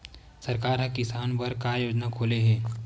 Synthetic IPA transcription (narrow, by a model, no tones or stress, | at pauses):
sɐɾkaːɾɦɐ̃kɪsaːnpɐɾkajoːd͡ʒnakʰoːleɦɛː